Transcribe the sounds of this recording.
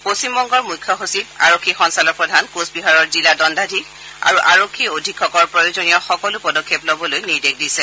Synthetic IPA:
posimːɔŋɡɔɹmujkʰːjɔxusipa̰ɹokʰːixɔnsalɔɹpɹɔdʱankosbiɦaɹɔɹziladɔndadʱik | a̰ɹuʔaɹokʰːiodʱikʰːɔkɔɹpɹɔjozonijɔxɔkɔlupɔdɔkʰːeplobɔlojniɹdek̚disɛ

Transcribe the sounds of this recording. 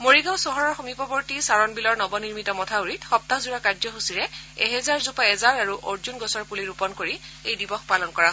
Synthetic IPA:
moɹiɡãw̃sɔɦɔɹɔɹxomipɔbɔɹtisaɹɔnbilɔɹnɔbɔniɹmitɔmɔtʰauɹitxɔp̚tazuɹakad͡ʒzɔxusiɹɛɛɦɛzaɹzupaɛzaɹaɹuʔoɹzunɡɔsɔɹpuliɹupɔnkoɹiejdibɔxpalɔnkɔɹa

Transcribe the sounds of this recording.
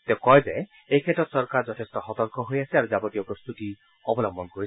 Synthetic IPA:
t̪ekɔjbe | ekʰetɔt̪sɔɾkaɾd͡ʒɔtʰestɔhɔt̪ɔɾkɔɦojasiaɾud͡ʒabɔʈijɔpɾost̪ut̪i | ɔbɔlɔmbɔnkoɾi

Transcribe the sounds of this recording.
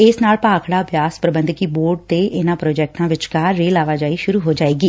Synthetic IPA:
ɪsnaːlpaːkʰɽaːbjaːspɾəbə̃nd̪kiːboːɾɖ̚t̪eːʔɪnãːpɾoːd͡ʒɛːk̚ʈãːʋɪt͡ʃkaːɾːeːlaːʋaːd͡ʒaːiːʃʊɾuːɦoːd͡ʒaːeːɡiː

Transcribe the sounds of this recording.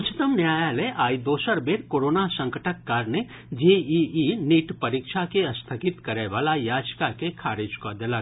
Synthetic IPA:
t͡ʃʰt̪əmnjaːjaːleʔaːid̪oːsəɾbeːɾkoːɾoːnasɐ̃ŋkəʈʰəkːaːɾne | d͡ʒeiiniːʈpɐɾiːkʃakeɐst̪ʰəkɪt̪kɐɾeʋaːlajaːd͡ʒkakekʰaːɾed͡ʒkod̪ela

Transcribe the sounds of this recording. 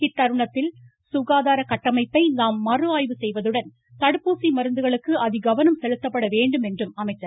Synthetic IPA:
ɪt̪ːɐɾɯɳɐt̪ːɪl | sʊɣaːðaːɾɐkɐʈːɐmɐɪpːɐɪnaːmːɐrɯaːjʋɯsɛjʋɐðɯɽɐn | t̪ɐɽɯpːuːsimɐɾɯnd̪ɯɣɐɭɯkːɯʔɐðɪɡɐʋɐnɐmsɛlɯt̪ːɐpːɐɽɐʋeːɳɖɯmɛndrɯmɐmɐɪtːɐɾ

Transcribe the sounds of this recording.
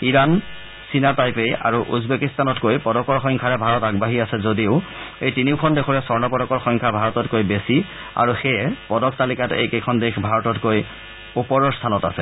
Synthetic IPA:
iɹan | sinatajpeja̰ɹuʔṵzbekistanɔtkojpɔdɔkɔɹxɔŋkʰaɹɛbʱaɹɔtaɡbaɦiasɛzodiʊejtiniʊkʰɔndekʰɔɹɛsɔɹnɔpɔdɔkɔɹxɔŋkʰabʱaɹɔtɔtkojbesi | a̰ɹuxejɛpɔdɔktalikatḛjkekʰɔndexbʱaɹɔtɔtkoj | upɔɹɔɹstʰanɔta̰sɛ

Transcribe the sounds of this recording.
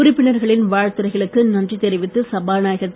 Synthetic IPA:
ʊɾɪpːɪɳɐɾɣɐɭɪnʋaːɻt̪ɯɾɐɪɣɐɭɯkːɯnɐndrit̪ɛɾɪʋɪt̪ːɯsɐbaːnaːjɐɣɐt̪ː

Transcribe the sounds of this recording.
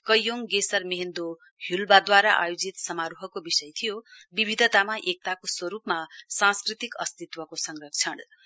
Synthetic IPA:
kʌjːoŋɡesʌrmeɦend̪o | hjulbad̪waɾaʔa̰jod͡zit̪sʌmaɾuɦʌkobisʌjt̪ʰijobibʱid̪ʱʌt̪amaʔek̚t̪akoswʌɾupmasãnskrit̪ikʌ̰st̪it̪wʌkosʌŋrʌk̚t͡sʰʌn

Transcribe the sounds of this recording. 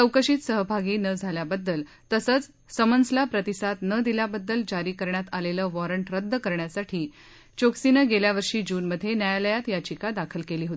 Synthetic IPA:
əwkəʂit̪səɦbʱaɡiːnəd͡zʱaljabəd̪ːəl | t̪əsət͡s | səmənd͡zlapɾət̪isat̪nəd̪ilabəd̪ːəld͡ʑaɾiːkəɾɳjat̪aleləːʋɔɾəɳʈɾəd̪ːəkəɾɳjasaʈʰiː | t͡ɕoksinəɡeljaʋəɾʂiːd͡ʑuːnməd̪ʱːjenjajaləjat̪jat͡ɕikad̪akʰəlkeliːɦot̪i

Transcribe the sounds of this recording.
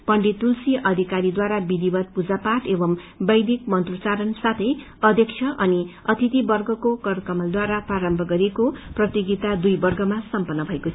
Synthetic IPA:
pʌɳɖit̪ulsiʔʌd̪ʱikaɾid̪waɾabid̪ibʌt̪̚pud͡zapaʈebʌm | bʌjd̪ikmʌnt̪rut͡saɾʌnsat̪ʰʌj | ʌd̪ʱjʌk̚t͡sʰjʌʔʌni | ʌt̪ʰit̪ibʌrɡʌkokʌɾkʌmʌld̪waɾapraɾʌmbʱʌɡʌɾekoprʌt̪iɡit̪ad̪ujbʌrɡʱʌmasʌmpʌnːʌbʱʌekot͡sʰ

